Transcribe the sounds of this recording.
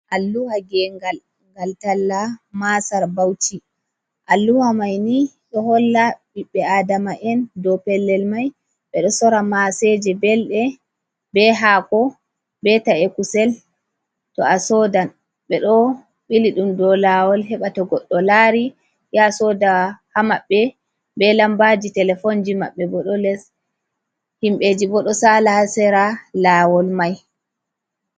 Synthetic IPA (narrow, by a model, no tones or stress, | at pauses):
ʔalːuhaɡɛŋɡal | ŋɡaltalːamasaɾbawti | ʔalːuwamajni | ɗɔɦɔlːaɓiɓːɛaːdamaʔɛndɔpɛlːɛlmaj | ɓɛɗɔsɔɾamasɛd͡ʒɛbɛlɗɛ | bɛɦakɔ | bɛtaɛkusɛl | tɔasɔdan | ɓɛɗɔ | ɓiliɗumdɔlawɔlɦɛɓatɔɡɔɗːɔlaɾi | jasɔdahamaɓːɛ | bɛlambad͡ʒitɛlɛfɔnd͡ʒima̰ɓːɛbɔɗɔlɛs | himɓed͡ʒibɔɗɔsalahasɛɾalawɔlmaj